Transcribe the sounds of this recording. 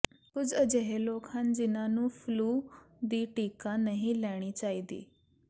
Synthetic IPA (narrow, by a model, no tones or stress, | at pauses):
kʊd͡zəd͡ʑeɦelokʰand͡ʑinanũːfluː | d̪iːʈiːkanəɦilaɽ̃it͡ɕaɦid̪ḭː